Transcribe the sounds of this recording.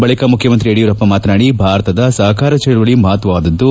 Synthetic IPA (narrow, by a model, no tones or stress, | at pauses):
bɐɭikɐmukʰjɐmɐnt̪ɾieːɽijɐɾɐpːɐmaːt̪naːɽibʱaːɾɐt̪ɐd̪ɐsɐɦɐkaːɾɐt͡ʃɛɭuʋɐɭimɐɦɐt̪ʋɐʋaːd̪ɐd̪ːu